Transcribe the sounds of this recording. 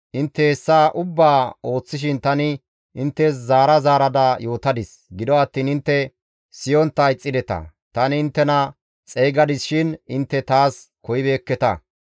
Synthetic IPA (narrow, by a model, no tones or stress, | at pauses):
ʔɪnt̪ːɛɛsːaːʔʊbːaːo̞ːt͡sːɪʃ̬ɪnt̪ɐnɪ | ʔɪnt̪ːɛs̬zaːɾɐzaːɾɐd̪ɐjo̞ːt̪ɐd̪ɪs | ɡɪd̪ɔɐt̪ːiːnɪnt̪ːɛ | sɪjɔnt̪ːɐɪt͡sʼːɪd̪ɛt̪ɐ̰ | t̪ɐnɪɪnt̪ːɛnɐ | t͡sʼeːɡɐd̪ɪsʃɪnɪnt̪ːɛt̪aːskɔjɪbeːkːɛt̪ɐ̰